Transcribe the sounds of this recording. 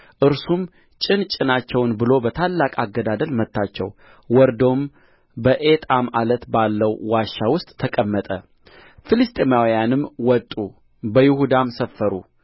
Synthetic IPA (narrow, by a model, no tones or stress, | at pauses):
ʔɨɾsum | t͡ʃʼɪnt͡ʃʼɪnat͡ʃːɛwnbɨlo̞bət̪ʰalːakʼaɡːəd̪ad̪əlmət̪ːat͡ʃːɛ̰w | wɔɾd̪o̞m | bəʔe̞t̪ʼamalət̪balːəwwaʃːawʊst̪ʼːʰəkʼəmːət̪ʼə̰ | filɨst̪ʼemawijanɨmwɔt̪ʼu | bəjɪhud̪amsəfːəɾṵ